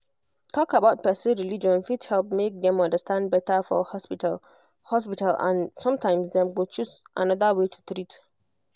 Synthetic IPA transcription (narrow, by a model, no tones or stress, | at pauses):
tʰɔkabaʊt̚pɛsə̃ɹilid͡ʒɔ̃nfidhɛlˠp̚mek̚dɛ̃mɔ̃ndəstãnd̚bɛtəfɔ̰hɔspitl | hɔspitalã̰nsɔ̃mtʰãɪ̃msdɛ̃mɡot͡ʃusʔã̰nɔðəwetʰu̥tɹit